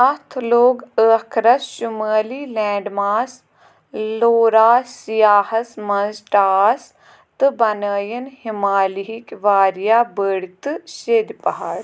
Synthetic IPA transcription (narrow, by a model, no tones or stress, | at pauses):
ɐt̪ʰloːɡəːkʰɾɐsʃuməːliːlɛ̃ːɖmaːs | loːɾaːsijaːhɐsmɐnzʈaːs | t̪ɨbɐnəːjənhɪmaːliɦikʋaːɾijaːbəɽt̪ɨʃeːd̪ipɐɦaːɽ